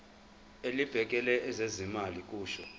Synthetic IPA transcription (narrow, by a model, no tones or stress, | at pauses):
elib̥ʱɛk̬ʼɛlɛʔɛzezimalikʼuːʃɔ